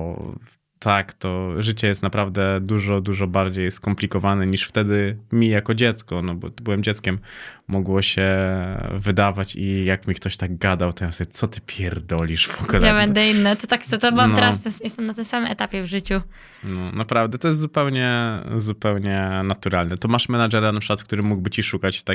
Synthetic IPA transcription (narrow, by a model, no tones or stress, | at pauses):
t̪ʰakt̪ɔʐɘt͡ɕɛjɛst̪napɾavd̪ɛd̪uʐɔd̪uʐɔbaɾd͡ʑejskɔmplʲikɔvanɛɲiʂft̪ɛd̪ɘmʲijakɔd͡ʑɛt̪skɔnɔbɔ̰bɘwɛmd͡ʑɛt̪skʲɛmːɔɡwɔɕɛ | vɘd̪avat͡ɕijakmʲikt̪ɔɕt̪aɡɡad̪awt̪ɔjamsɔbʲɛt̪sɔt̪ɘ̥pʲjɛɾd̪ɔlʲiʂv̥ɔɡulɛjabɛnd̪ɛinːɛt̪ɔt̪aksɔt̪ɔbɨwamnt̪ɛɾast̪ɛsjɛst̪ɛmnat̪ɪ̃m̃samɘmɛt̪apʲjɛvʐɘt͡ɕu | nɔnapɾavd̪ɛt̪ɔjɛs̬t̪zupɛwɲɛzupɛwɲɛnat̪uɾalnɛt̪ɔmaʂmɛnad͡ʐɛɾanapʂkwat̪kt̪uɾɘmuɡbɘt͡ɕiʂukat͡ɕt̪a